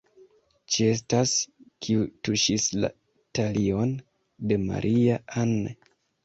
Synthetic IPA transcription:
t͡ʃie̞s̬taskʰiutuʃisla̰ | talio̞n | de̞ma̰ɾʔiaanːe

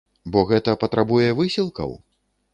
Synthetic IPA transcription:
bɔɣɛt̪ɐpɐt̪ɾʔabujɛvɨsʲilˠkɐ̰w

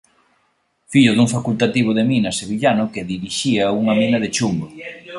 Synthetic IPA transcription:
fiʎʊðuŋfakult̪at̪iβ̞ʊðeminɐseβiʎanʊkeðiɾiʃiɐuŋɐminɐðet͡ʃumbo

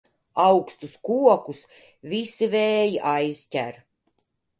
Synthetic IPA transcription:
awkst̪uskuɔkus | vʲisivɛːjʔajztʲæ̰ɾ

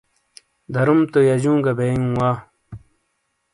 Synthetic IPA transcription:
d̪ʱɐɾumt̪ojad͡ʑũːɡɐbejũːwaː

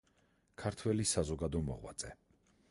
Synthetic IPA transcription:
kʰaɾt̪ʰwɛlisazɔɡad̪ɔmɔ̰ʁwa̰t̪sʼɛ

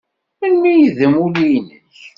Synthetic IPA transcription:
ənmijiðəmulijnəç

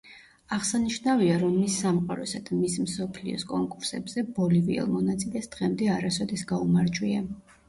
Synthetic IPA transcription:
aʁsaniʃnaviaɾɔmːisːamqʼaɾɔsad̪̥amismsɔpʰlḭɔ̰skʼɔŋkʼuɾsɛbz̥ɛbɔliviɛ̰lˠmɔnat̪sʼilɛsd̪̥ʁɛmd̪ɛaɾasɔd̪isɡaumaɾd͡ʒwia

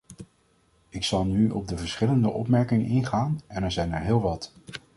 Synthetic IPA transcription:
ɪksɑlˠnyɔ̰b̚dəvəɹsχɪləndəʔɔ̰pmɛɹkɪŋə̰nɪnχaːnɛnɛɹzɛjnɛɹɦɪːlˠʋɑt

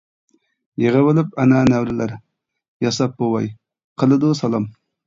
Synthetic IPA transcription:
jeʁəwɨlˠɨp̚ɛnɛːnæwɾɪlæɾ | jɑsɑp̚bowɑj | qʰəlˠɨd̪usɑlˠɑm

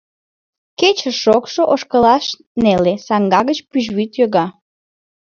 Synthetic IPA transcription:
ket͡ɕəʃokʃoʔoʃkəlɑʃ | nelesɑŋɡɑɣət͡ɕpyʒβyt̪joɣɑ

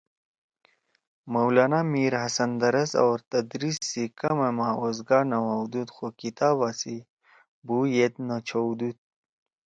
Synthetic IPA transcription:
mɐwlaːnamiːɾɦɐsɐnd̪ɐɾɐsa̰wɾt̪ɐd̪ɾisːikɐmemaozɡaːnɐwawd̪ud̪xokit̪aːβasi | buːjet̪̚not͡ɕʰowd̪ut̪̚

